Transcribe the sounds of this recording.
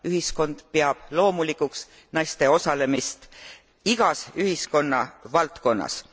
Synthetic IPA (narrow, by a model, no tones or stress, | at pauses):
yɦisko̞nd̪̥peɑb̥lo̞ːmulikːˑuks | nɑjst̪e̞o̞sɑle̞mist̪ | iɡ̥ɑsyɦisko̞nːɑvɑlt̪ko̞nːɑ̰s